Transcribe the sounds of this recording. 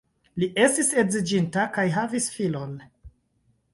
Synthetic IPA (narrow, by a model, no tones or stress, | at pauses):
liʔe̞stise̞zid͡ʒintakajɦavisfilon